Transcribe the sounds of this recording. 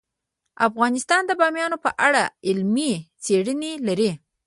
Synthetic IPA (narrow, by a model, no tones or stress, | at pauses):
afɣɑnɪst̪ɑnd̪əbɑmjɑnopəʔaɽaɪlmit͡seɽənelaɾi